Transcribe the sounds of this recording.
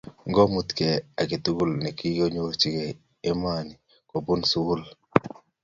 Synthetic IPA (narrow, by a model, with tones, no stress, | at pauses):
ŋɡɔ˦mu˦t̪kɛ˨a˨kɪ˨t̪u˦ɡu˦lnɛ˨ki˦jo˦ɲo˦t͡ʃɪ˦kɛ˨ | e˦ma˦˨ni˨ | ko˨bu˦nsu˦ɡu˦l